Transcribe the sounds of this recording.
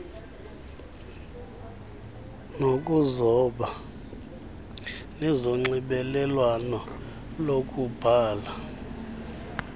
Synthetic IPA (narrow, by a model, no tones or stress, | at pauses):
nokʼuzɔɓa | nɛzoŋ͡ǀiɓɛlɛlwanɔ | lokʼub̥ʱaːla